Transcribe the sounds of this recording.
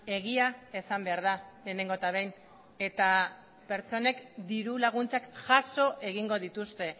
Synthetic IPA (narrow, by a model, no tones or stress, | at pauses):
e̞ɣiae̞sambe̞aɾðale̞ːne̞ŋɡo̞t̪aβejn | e̞t̪a | pe̞ɾt͡so̞ne̞kd̪iɾulaɣ̞unt͡sakʝaso̞ʔe̞ɣ̞iŋɡo̞ðit̪ust̪e̞